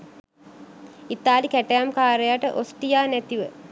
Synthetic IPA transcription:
it̪aːlikæʈejamkaːɾejaʈəʔosʈijaːnæt̪iʋə

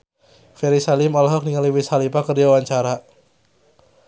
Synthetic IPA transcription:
fɛɾisalɪmɔlɦɔk̚niŋaliwisalipakərd͡ʒawaɲt͡ʃaɾa

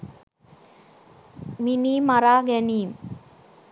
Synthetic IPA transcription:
miniːmaɾaːɡæniːm

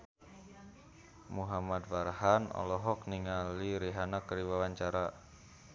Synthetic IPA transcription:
muɦamad̪farhanɔ̰lɔɦɔk̚niŋaliɾiɦanakɾiwawaɲt͡ʃaɾa

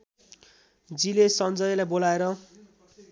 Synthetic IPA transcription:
d͡zilesʌnd͡zʌjlajbolaeɾʌ

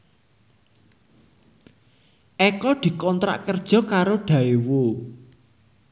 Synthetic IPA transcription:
ʔɛkɔd̪̥i̤kɔnt̪ɾa̰ʔkərd̥ʒ̥ɔ̤kaɾoɖ̥a̤ewo

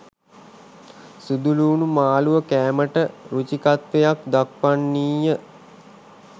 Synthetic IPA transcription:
sud̪uluːnumaːluʋəkæːməʈəɾut͡ʃikat̪ʋejakd̪ak̚panːiːjə

